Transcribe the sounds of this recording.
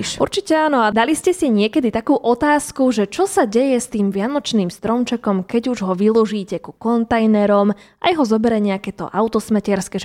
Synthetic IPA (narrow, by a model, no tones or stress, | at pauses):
ʃʔṵɾt͡ʃicɛaːnɔad̪aliscɛsiɛɲɪɛkɛd̪it̪akuːʔɔt̪aːskuʒɛt͡ʃɔsaɟɛjɛst̪iːmʋɪanɔt͡ʃniːmst̪ɾɔmt͡ʃɛkɔmkɛɟuʒɦɔʋilˠɔʒiːcɛkukɔnt̪ajnɛɾɔmʔa̰jɦɔzɔbɛɾɛɲɛakɛt̪ɔ̰ʔaʊt̪ɔsmɛcɪɛɾskɛʒ